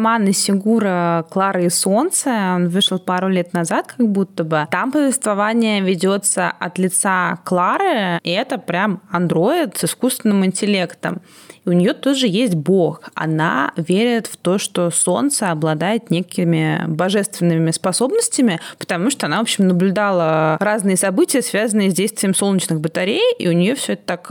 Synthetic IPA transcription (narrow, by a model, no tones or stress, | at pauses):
manɨsʲɪɡuɾəklˠaɾɨɪso̞nt̪səo̞nvɨʂlˠpaɾʊlʲe̞t̪nɐzat̪̚kʰɐɡ̚but̪ːəbət̪ampəvʲɪst̪vɐvanʲɪjəvʲɪdʲo̞t̪səʔɐt̪lʲɪt̪saklˠaɾɨɛt̪əpɾʲamɐnd̪ɾo̞ɪt̪sɪskust̪vʲɪnːɨmɪnʲtʲɪlʲe̞kt̪ə̰m | iʊnʲɪjo̞t̪oʐɨjesʲtʲbo̞xɐ̰na̰vʲeɾʲɪt̪ft̪o̞ʂt̪o̞so̞nt̪səɐblˠɐd̪ajɪt̪nʲekʲɪmʲɪbɐʐɛst̪vʲɪnːɨmʲɪspɐso̞bnəsʲtʲɪmʲɪpə̥t̪ɐmuʂt̪oɐnavopɕːɪmnəblʲʉd̪alˠəɾaznɨjəsɐbɨtʲɪjəsvʲazənːɨjəzʲdʲejst̪vʲɪjəmso̞lˠnʲɪt͡ɕnɨɣbət̪ɐɾʲejḭʊnʲɪjo̞fsʲoɛt̪ə̥t̪ak